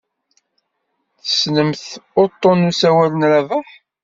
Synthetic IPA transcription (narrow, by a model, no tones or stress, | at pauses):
θə̥snəmθʊt̪ˤːonusæwælənɾævəħ